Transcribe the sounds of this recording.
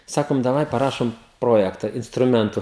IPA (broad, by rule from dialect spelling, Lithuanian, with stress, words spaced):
ˈsɑːkoːm dɐˈʋɐɪ pɐˈrɑːʃoːm ˈproːjɛktɐ ɪnstrʊˈmʲɛntʊ